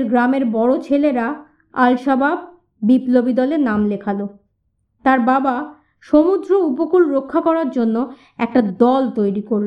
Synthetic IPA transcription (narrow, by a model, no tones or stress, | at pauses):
ɾɡɾameɾbɔɽot͡ɕʰeleɾa | alʃabʱab̚ː | iplobid̪ɔleɾnamlekʰalo | t̪aɾbaba | ʃomud̪ɾoupokulɾokʰːakɔɾaɾd͡ʑonːo | ɛk̚ʈad̪ɔlt̪ojɾikoɾlo